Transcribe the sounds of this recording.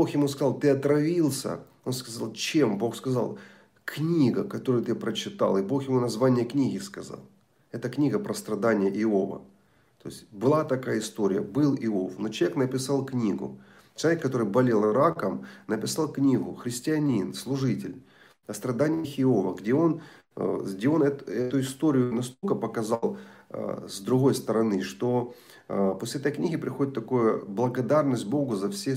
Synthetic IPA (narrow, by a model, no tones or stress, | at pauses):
boxjɪmus̬kɐzɑlˠt̪ɨɐt̪ɾɐvʲilˠsʲə̰ | o̞nskɐzalˠt͡ɕe̞mbo̞xskɐzɑ̰lˠ | knʲiɡəkɐt̪o̞ɾʊjʊt̪ɨpɾət͡ɕɪt̪a̰lˠɪbo̞xjɪmunɐzvanʲɪjəknʲiɣʲɪskɐzɑ̰lˠ | ɛt̪əknʲiɡəpɾəst̪ɾɐd̪anʲɪjəʔɪovə̰ | t̪o̞̰ɪsʲtʲbɨlˠat̪ɐkajəɪst̪o̞ɾʲɪ̰jə̰bɨlˠɪo̞fnot͡ɕɪlˠvʲeknəpʲɪsɑlˠknʲiɡʊ̰ | t͡ɕɪlˠɐvʲekːɐt̪o̞ɾɨjbɐlʲelˠɾakəmnəpʲɪsɑlˠknʲiɣʊxɾʲɪsʲtʲɪɐnʲinslˠʊʐɨtʲɪlʲ | ɐst̪ɾɐd̪anʲɪjəxʲɪovəɡdʲeo̞n | ɡdʲeo̞nɛt̪ɛt̪ʊɪst̪o̞ɾʲɪjʊnɐst̪olʲkəpəkɐzɑl̰ˠ | zd̪ɾʊɣo̞jst̪əɾɐnɨʂt̪o̞ | posʲlʲɪɛt̪əjknʲiɣʲɪpɾʲɪxo̞dʲɪt̪ːɐkojʊblˠɐɡɐd̪arnəsʲt̚ʲbo̞ɡʊzɐfsʲe